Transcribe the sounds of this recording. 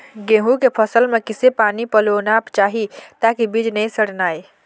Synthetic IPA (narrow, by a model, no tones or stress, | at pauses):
ɡeːɦũkepʰəsəlmẽkɪsepaːnipəlonapt͡ʃaːɦit̪aːkibid͡ʒnɛĩsəɽnaːe